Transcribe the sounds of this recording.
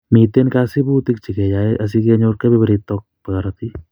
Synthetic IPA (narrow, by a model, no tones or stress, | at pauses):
miːt̪enkaːsibut̪ik̚t͡ʃʰiked͡ʒaːeʔɐs̬ikeɲoːɾkebʱibɐɾit̪ɔk̚pəkaɾat̪ʰi